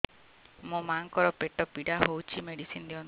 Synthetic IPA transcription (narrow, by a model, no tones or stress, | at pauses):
mũmaŋkɔɾɔpeʈɔpiɽaɦowt͡ʃʰimeɽisind̪iɔn